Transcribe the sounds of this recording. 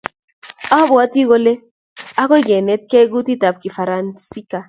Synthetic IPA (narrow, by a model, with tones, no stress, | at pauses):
a˦bɔ˨a˦ti˦ɡo˦le˦ | a˦kɔ˦ɡe˨nɛ˦t̚kɛ˦ɡu˦ti˦ta˨p̚ki˨fa˨ɾa˨nsi˦ka˨